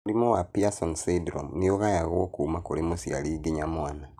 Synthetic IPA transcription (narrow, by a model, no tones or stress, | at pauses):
olimowapiasonsidɾo̰mnijoɣajaɣwokuːmakolemusia̰liːɡiɲamwaːna